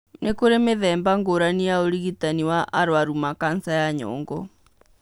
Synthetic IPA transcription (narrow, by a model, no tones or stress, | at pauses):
nekuɾɛmɪðɛmbaŋɡoɾanijaoɾiɣitaniwaʔaɾwaɾumakansajaɲɔ̰ːŋɡɔ